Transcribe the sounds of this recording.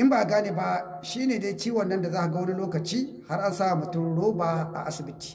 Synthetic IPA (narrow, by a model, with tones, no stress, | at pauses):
ʔɪ˦mbaː˨ɡaː˦neː˨˦ba˦ | ʃiː˦neː˨deː˦kʲiː˦wɐ˨nːɐ˦nda˨zaː˦ha˨ɡa˦wni˦loː˦kɐ˨t͡ʃiː˦ | ha˦rʔa˦nsaː˦ʔa˨mʊ˨tʊ˦mɽoː˦baː˨ʔa̰˨ʔa˦sɪ˨bɪ˦ti̥ː˨